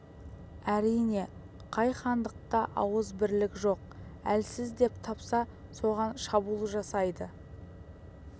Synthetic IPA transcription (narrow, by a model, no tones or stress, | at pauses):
æɾijne̞ | qʰɑjχɑnd̪əq̚t̪ɑʔɑwəzbɪɾlɪkʲʒo̞q̚ælsɪzd̪e̞pt̪ʰɑpsɑso̞ʁɑnʃɑbulˠəʒɑsɑjd̪ə